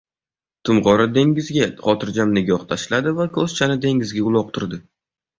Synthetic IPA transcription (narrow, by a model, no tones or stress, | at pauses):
t̪ʰʊmʁɒɾad̪e̞ŋʲɪzɡʲaχɒt̪ʰɪɾd͡ʒamnɪɡʲɒχt̪ʰaʃlad̪ɪvakʲʰɵz̥t͡ʃʰanɪd̪e̞ŋɪzɡʲaʊlˠɒq̚t̪ʰʊɾd̪ɪ